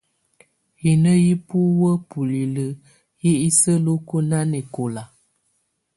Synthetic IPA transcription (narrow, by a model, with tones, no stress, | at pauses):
hi˨nə˦ji˦pu˦wə˦pu˨li˨lə˦ | ji˦i˦sə˦lo˦ku˦na˦ni˨ko˨la˨